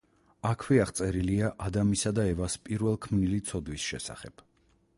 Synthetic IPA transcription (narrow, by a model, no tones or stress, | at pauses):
akʰwɛaχt̪sʼɛɾiliaʔad̪amisad̪aɛvaspʼiɾvɛlˠkʰmnilit̪sʰɔd̪wisʃɛ̰sa̰χɛb̥